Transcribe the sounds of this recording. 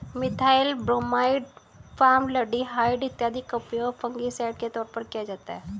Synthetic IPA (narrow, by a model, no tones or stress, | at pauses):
mɪt̪ʰaːɪlbɾoːmaːɪɖ | faːmləɖiɦaːɪɖɪt̪ːjaːd̪ʱikəpjɔpʰɐ̃ŋɡisaːɖ̚ket̪ɔːɾpɐɾkijad͡ʒaːt̪aɦɛː